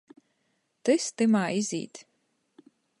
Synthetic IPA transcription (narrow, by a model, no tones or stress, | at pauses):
t̪ɨst̪ɨmaːizʲḭːt̪ʲ